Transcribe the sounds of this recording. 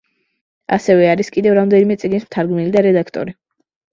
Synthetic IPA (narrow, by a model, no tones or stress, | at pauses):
a̰sɛvɛaɾiskʼid̪ɛvɾamd̪ɛnimɛt̪sʼiɡnismt̪ʰaɾɡmɛlid̪aɾɛd̪akʰt̪ʼɔ̰ɾi